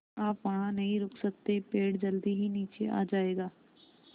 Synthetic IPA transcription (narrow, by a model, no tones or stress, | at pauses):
aːpʋaɦãːnəɦĩɾʊkʰsəkt̪epeːɽd͡ʒəld̪iːɦiːniːt͡ʃeʔa̰ːd͡ʒaːeːɡaː